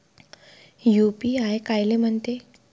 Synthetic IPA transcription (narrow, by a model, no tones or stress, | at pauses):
jupiaekajlem̤əɳt̪e